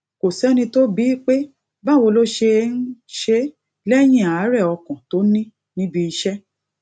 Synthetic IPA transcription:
ko˨sɛ˦nĩ˧to˦bi˨˦k͡pe˦ | ba˦˨wo˧lo˦ʃe˧n̩˦ʃe˦ | lɛ˦j̃ĩ˦˨a˨˦ɾɛ˦˨ɔ˧kɔ̃˨to˦nĩ˦ | nĩ˦bi˧i˧ʃɛ˦

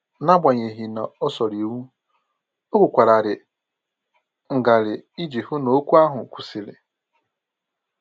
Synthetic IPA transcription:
na˦ɡ͡ba˨ɲe˨ɦi˨na˨ɔ˦sɔ˨ɾi˨wu˦ | o˦kʷʊ˨kʷa˨ɾa˨ɾɪ˨ | ŋ̩˨ɡa˨ɾɪ˨i˦d͡ʒi˨hʊ˦no˨o˦kʷu˦a˦ɦʊ˨kʷu˨si˨lɪ̰˨

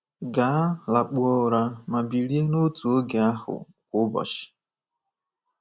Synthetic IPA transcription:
ɡa˨˦la˨k͡pu˨ɔ˦˨ɾa˨ma˨bi˨ɾi˦e˦no˦tu˨o˦ɡe˨a˦hʊ̰˨ | kʷʊ˦bɔ̰˨ʃɪ̥˨

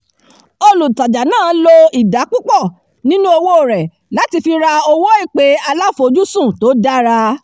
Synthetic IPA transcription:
o˧lu˨ta˨d͡ʒa˨nãː˦lo˧i˨da˨˦k͡pu˦k͡pɔ˦˨ | nĩ˦nũ˦o˧wo˦o˨ɾɛ˨ | la˨˦ti˧fi˧ɾa˧o˧wo˦i˦˨k͡pe˨˦a˧la˦fo˧˨˧d͡ʒu˦sũ˦˨to˨˦da˦ɾa˧

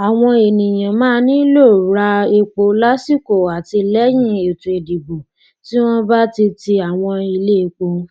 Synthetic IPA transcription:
a˨w̃ɔ̃˧e˨nĩ˨j̃ã˨mãː˦nĩ˦lo˦˨ɾa˧e˧k͡po˧la˦si˦˨ko˨a˨ti˧lɛ˦j̃ĩ˦e˨tũ˨e˨di˨bo˨ | ti˦w̃ɔ̃˦ba˦ti˧ti˧a˨w̃ɔ̃˧i˧le˦˧k͡po˧˦

